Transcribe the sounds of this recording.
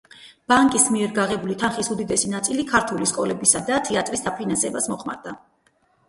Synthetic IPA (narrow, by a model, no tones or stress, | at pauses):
b̥aŋkʼismiɛɾɡaʁɛbulit̪ʰanχisud̪id̪ɛsinat̪sʼilikʰaɾt̪ʰuliskʼɔlɛbisad̪at̪ʰɛat̪ʼɾisd̪apʰinansɛbasmɔχma̰ɾd̪a